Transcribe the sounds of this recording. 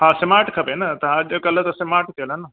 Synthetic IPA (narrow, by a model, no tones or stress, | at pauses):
ɦãːsɪmaːɾʈkʰɐpenɐt̪ɐad͡ʒkɐlt̪ɐsɪmaːɾʈt̪ʰeːlənɐ